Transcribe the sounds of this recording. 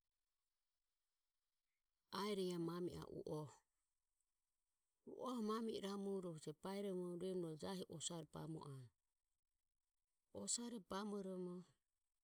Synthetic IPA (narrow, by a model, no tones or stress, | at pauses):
aɛɾɛjamamiʔa̰ʔṵʔɔhɔ | ṵʔɔhɔmamiɾamuɾɔhud͡ʒɛpaɛɾɔmɔɾɛmuɾɔd͡ʒaɦiʔɔsaɾɛpa̰mɔ̰ʔa | ɔsaɾɛpamɔɾɔmɔ